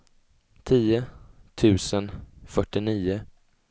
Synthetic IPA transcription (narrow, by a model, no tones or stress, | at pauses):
t̪ʰiːʊt̪ʰʉ̟ːsənfœʈːɪniːʊ